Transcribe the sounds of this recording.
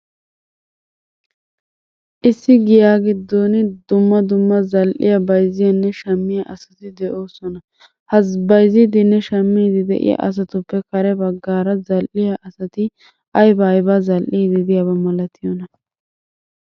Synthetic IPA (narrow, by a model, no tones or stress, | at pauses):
ʔɪsːɪɡɪjaːɡɪd̪ːoːnɪd̪ʊmːɐd̪ʊmːɐzɐlʔɪ̰jɐbɐjzɪjɐnːɛʃɐmːɪjɐʔɐsɐ̥t̪ɪd̪ɛʔoːsɔnɐ | hɐbɐjzɪd̪ɪnːɛʃɐmːiːd̪ɪd̪ɛ̰ʔɪ̰ja̰ʔɐ̰s̬ɐt̪ʊpːɛkɐɾɛbɐɡːaːɾɐzɐlʔɪjɐʔɐsɐt̪ɪ | ʔɐjbajbɐzɐlʔiːd̪ɪd̪ɪjɐbɐmɐlɐt̪ɪjɔnɐ